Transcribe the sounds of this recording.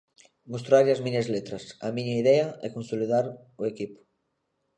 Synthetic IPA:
most̪ɾaʎɐzmĩɲɐzlet̪ɾɐsɐmĩɲɐiðɛɐɛkonsoliðaɾ | oekipʊ̥

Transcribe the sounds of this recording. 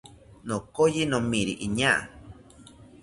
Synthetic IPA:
nõkojinõmĩɾiʔiɲãʔ

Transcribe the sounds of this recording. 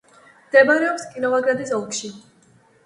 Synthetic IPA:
md̪ɛbaɾɛɔpskʼinɔvaɡɾad̪isɔlˠkʼʃi

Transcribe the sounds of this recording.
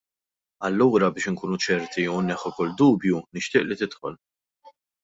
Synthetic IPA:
ɐlːuːɾɐbɪːʃɪŋkuːnut͡ʃɛɾt̪iɛwnːɛħːukʊlːd̪uːbjunɪʃt̪ɪːʔlit̪ɪt̪ħɔl

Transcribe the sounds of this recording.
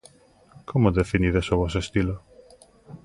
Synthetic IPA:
kʰomod̪efiniɾesovɔsest̪ilo

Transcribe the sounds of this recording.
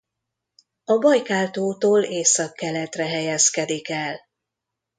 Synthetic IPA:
ɒbɒjkaːlt̪oːt̪oːleːsɒkːɛlɛt̪rɛɦɛjɛskɛd̪ikɛl

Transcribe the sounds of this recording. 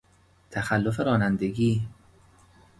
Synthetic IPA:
t̪ʰæxælːofeɾɒːnænd̪e̞ɡiː

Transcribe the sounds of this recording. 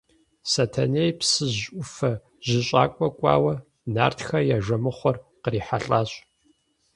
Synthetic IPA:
sɐtʰɐnejpsɨʑʔʷʊfɐ | ʑ̥ɪɕʼaːkʷʼɔkʷʼɑ̰ːwɐ | na̰ːrtxɐjaʒɐmɨχʷɔrqəriːħaɬʼaːɕʼ

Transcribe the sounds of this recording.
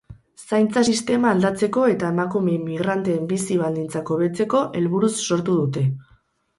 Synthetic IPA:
sajnt͡sasist̪e̞maːld̪at͡se̞ko̞e̞t̪aemakumemːiɣ̞ɾant̪eːmbisiβald̪int͡sako̞βe̞t͡se̞ko̞ʔe̞lβuɾusːo̞ɾt̪uðut̪e̞

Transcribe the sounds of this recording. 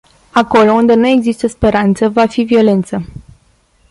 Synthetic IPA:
ako̞lo̞und̪e̞nue̞ɡzist̪əspe̞ɾant̪səvafivio̞le̞nt̪sə

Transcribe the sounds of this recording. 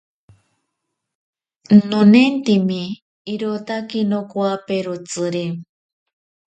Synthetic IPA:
nonent̪imiː | ɾot̪akinokuapeɾut͡sɨɾe

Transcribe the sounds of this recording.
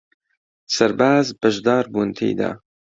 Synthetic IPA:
sɐɾbaːzbɐʒd̪ɑːɾbuːnt̪ʰḛjd̪a̰ː

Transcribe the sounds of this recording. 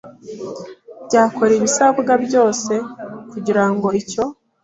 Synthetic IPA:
bɟaːko̞ɾeβisaβuɡabjo̞ːse̞kuɟiɾaŋɡo̞ico̞

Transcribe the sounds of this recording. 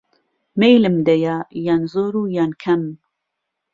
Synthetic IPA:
mejlɨmd̪ɐjajaːnzoːɾuːjaːnkʰɐm

